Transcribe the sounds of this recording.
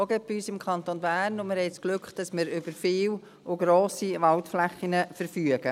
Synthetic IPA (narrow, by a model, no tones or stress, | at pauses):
ɔɡɛbyːsɪmkʰɑnt̪onbæːrnʊmɪɾhɛɪsklʏkχd̥ɑsmɪɾʏbəɾfɪːw | ʊɡ̥ɾoːsiʋɑltflæχːinəfəɾfyəɡ̥ə